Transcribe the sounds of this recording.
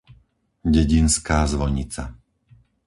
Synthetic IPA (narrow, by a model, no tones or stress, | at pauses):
ɟɛɟinskaːzʋɔjɲit͡sa̰